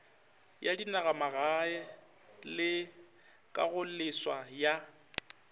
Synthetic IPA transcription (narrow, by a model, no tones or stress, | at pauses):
jadinaɣamaɣaɛ | lɪ | kʼaɣʊl̩lɪswaja